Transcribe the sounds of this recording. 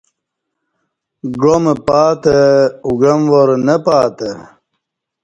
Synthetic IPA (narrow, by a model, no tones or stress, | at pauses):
ɡomepaːt̪euɡɐmʋoɾnepaːt̪e